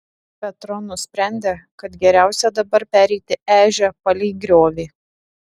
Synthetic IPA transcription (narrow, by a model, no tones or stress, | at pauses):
pʲɛt̪ɾɔnʊsʲpʲɾʲæˑnʲd̪ʲekɐt̪ɡʲɛɾʲæˑʊsʲɛd̪ɐbɐɾpʲæːɾʲɛɪt̪ʲɪʔæːʒʲɛpɐlʲɛɪɡɾʲoːʋʲeː